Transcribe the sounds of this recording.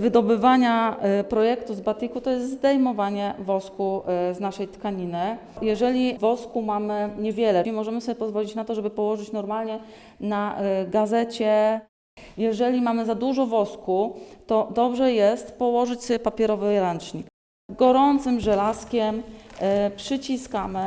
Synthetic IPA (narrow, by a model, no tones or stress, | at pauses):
vɘd̪ɔbɘvaɲapɾɔjɛkt̪uzbat̪ɘkut̪ɔjɛst̪zd̪ɛjmɔvaɲɛvɔskuznaʂɛjt̪kaɲinɘ | jɛʐɛlʲivɔskumamɘɲɛvʲjɛlɛimɔʐɛmɘsɔbʲjɛpɔzvɔlʲit͡ɕnat̪ɔʐɛbɘpɔwɔʐɘt͡ɕnɔɾmalɲɛ | naɡazɛt͡ɕɛ | jɛʐɛlʲimamɘzad̪uʐɔvɔskut̪ɔd̪ɔbʐɛjɛst̪pɔwɔʐɘt͡ɕspapʲɛɾɔvɘɾant͡ʂɲik | ɡɔɾɔnt̪sɘmʐɛlaskʲɛm | pʂɘt͡ɕiskamɘ